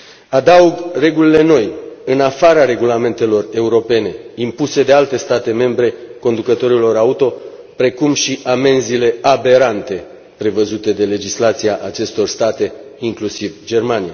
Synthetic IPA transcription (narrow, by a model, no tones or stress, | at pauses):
ad̪auɡre̞ɡulile̞no̞jɨnafaɾaɾe̞ɡulame̞nt̪e̞lo̞re̞uɾo̞pe̞ne̞impuse̞d̪e̞alt̪e̞st̪at̪e̞me̞mbɾe̞ko̞nd̪ukət̪o̞ɾilo̞ɾaut̪o̞ | pɾe̞kumʃiʔame̞nzile̞abe̞ɾant̪e̞ | pɾe̞vəzut̪e̞d̪e̞le̞d͡ʒislat̪siaʔat͡ʃe̞st̪o̞rst̪at̪e̞iŋklusivd͡ʒe̞rmanija